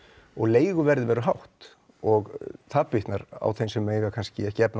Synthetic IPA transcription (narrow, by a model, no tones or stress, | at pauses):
ɔɣleːjɣʏvɛɾðɪvɛːɾʏɦawht̪ | ɔɣt̪ʰapːiht̪naɾa̰wθejnsɛmːeːjɣakʰanscɪɛhcɪɛpna